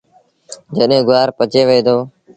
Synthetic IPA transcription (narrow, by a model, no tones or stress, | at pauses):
d͡ʒəɗɦẽːɡʊaːɾpət͡ʃeːʋəeːd̪oː